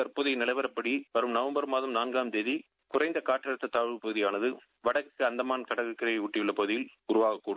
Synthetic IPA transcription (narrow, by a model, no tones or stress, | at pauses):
ɐɾpoːðɪjnɐlɐɪʋɐɾɐpːɐɽiʋɐɾɯmnɐʋɐmbɐɾmaːðɐmnaːnɡaːmd̪eði | kʊrɐɪnd̪ɐkaːʈːɪɐɻɐt̪ːɐt̪aːʋɪɭpɐɣɯðɪjaːnɐðɯ | ʋɐɽɐkːɯɐnd̪ɐmaːnkɐɽɐɣɯkːɐɾɐjɐʊʈːɪʋɪɭːɐpɐðɪjɪlʊɾʊʋaːɣɐkːuːɽɯ